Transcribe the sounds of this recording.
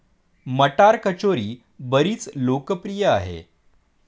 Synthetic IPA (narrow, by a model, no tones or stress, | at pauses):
məʈaɾkət͡ɕoɾiː | bəɾiːt͡slokəpɾijəa̰ɦḛ